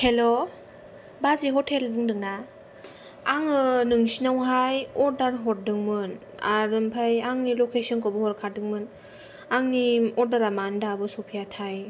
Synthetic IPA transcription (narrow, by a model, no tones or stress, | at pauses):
helɔ | baziɦɔtʰeldɯŋdɯŋna | aŋɯnɯŋsinawɦajɔɾdaɾɦɔt̚dɯŋmɯn | a̰ɾɯmpʰajaŋnilokʰesɯnkɔbɯhɔɾkʰadɯŋmɯn | aŋniɔdaɾamandabɯsɔpʰijatʰaj